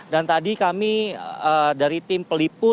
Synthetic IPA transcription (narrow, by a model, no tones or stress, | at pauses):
dant̪adikamiədaɾit̪ɪmpəlipʊ